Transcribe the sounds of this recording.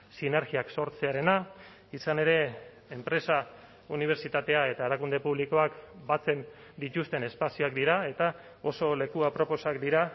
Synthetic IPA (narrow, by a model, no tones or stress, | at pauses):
sine̞ɾɣiakso̞ɾt͡se̞aɾe̞na | isane̞ɾe̞ | empɾe̞sa | uniβ̞e̞ɾt͡ʃit̪at̪e̞ae̞t̪aeɾakund̪e̞puβliko̞akbat͡se̞n | d̪it̪ust̪e̞ne̞spasioakd̪iɾae̞t̪a | o̞so̞le̞kuapɾo̞po̞sakd̪iɾa